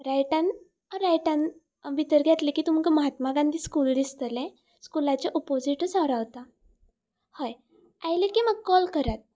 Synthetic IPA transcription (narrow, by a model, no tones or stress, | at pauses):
ɾajʈan | ɾajʈan | ʋit̪əɾɡʱjat̪lekiːt̪um̤kəməɦat̪maɡãnt̪iːskuld̪ist̪əlɛ̃ | skulat͡ɕeʔɔpod͡ziʈət͡saɾaʋt̪a | həj | ajlekiməɡ̚kɔlkəɾat̪̚